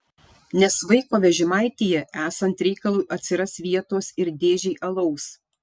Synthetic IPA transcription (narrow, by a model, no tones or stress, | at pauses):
nʲɛsʋɐɪkoːʋʲɛʒʲɪmɑˑɪt̪ʲijɛæːsɐnt̪ɾʲɛɪkɐlˠuːʔɐt̪ʲsʲɪɾɐsʋʲiɛt̪oːsɪɾd̪ʲeːʒʲɛɪʔɐlˠɐʊs